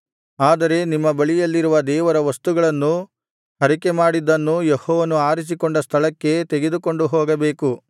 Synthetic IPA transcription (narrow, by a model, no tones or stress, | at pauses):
aːd̪ɐɾe̞nimːɐbɐɭijɐlːiɾuʋɐd̪ɛːʋɐɾɐʋɐst̪uɡɐɭɐnːu | ɦɐɾikemaːɽid̪ːɐnːujehɔːʋɐnuaːɾis̬ikoɳɖɐst̪ʰɐɭɐkːe̞t̪eɡe̞d̪uko̞ɳɖuɦoːɡɐbe̞ːku